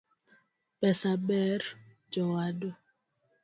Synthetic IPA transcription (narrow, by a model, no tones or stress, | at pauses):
pɛsabɛɾ | d͡ʒɔwado